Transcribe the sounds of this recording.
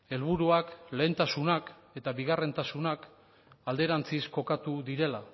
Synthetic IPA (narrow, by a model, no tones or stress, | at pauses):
e̞lβ̞uɾuakle̞ːnt̪asunak | e̞t̪aβiɣare̞nt̪asunak | ald̪e̞ɾant͡sisko̞kat̪uðiɾe̞la